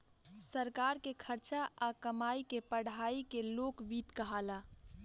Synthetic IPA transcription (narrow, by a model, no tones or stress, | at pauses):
səɾkaɾkekʰəɾt͡ʃaakəmaikepəɽ̤aikeloːkbiːt̪kəɦala